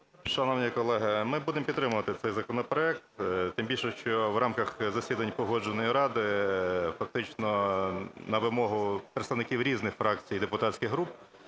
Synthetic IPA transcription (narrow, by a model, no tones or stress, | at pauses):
ʃɐnɔʋnʲijkɔlˠɛɦɪmɪbud̪empʲid̪ɾɪmʊʋɐt̪ɪt̪sɛjzɐkɔnɔpɾɔɛk̚t̪t̪ɪmbʲilʲʃɛʃt͡ʃɔʋrʔɑmkɐxzɐsʲid̪ɐnʲpɔɦɔd͡ʒenɔjiɾɑd̪ɪfɐk̚t̪ɪt͡ʃnɔ | nɐʋɪmɔɦʊpɾet̪st̪ɐʋnɪkʲiwɾʲiznɪxfɾɑk̚t͡sʲijid̪epʊt̪ɑtsʲkʲɪɣɦɾup̚